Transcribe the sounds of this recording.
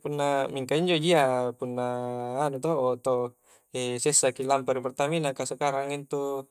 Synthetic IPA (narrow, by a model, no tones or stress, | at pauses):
punːamiŋkaiɲd͡ʒod͡ʒiapunːaːnut̪oʔːt̪o | ɛsɛsakilampaɾipɛrt̪aminakasəkaɾaŋint̪u